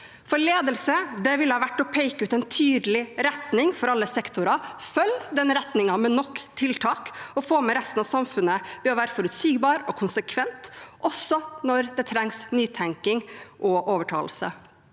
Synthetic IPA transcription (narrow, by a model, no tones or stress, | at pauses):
fɔɭeːd̪əlsəd̪ɛʋɪlːəhɑːʋæʈːɔpʰɛɪkəʉːt̪ɛɪnt̪ʰyːd̪əlɪɾɛt̪nɪŋfɔɾɑlːəsɛkt̪ʊɾɑfœlːd̪ɛnːəɾɛt̪nɪŋɑmɛnɔkːt̪ʰɪlt̪ʰɑːkɔfoːmɛɾɛst̪nɑʋsɑmfʉnəb̥øːʋæːɾfɔɾʉt̪siːɡbɑːɾɔkʰʊnsəkʰʋɛnt̪ʔɔsːɔnɔɾd̪ɛt̪ʰɾɛŋsnyːt̪ʰæŋkɪŋʔɔʔoːʋəʈʰɑ̰ːlsə̰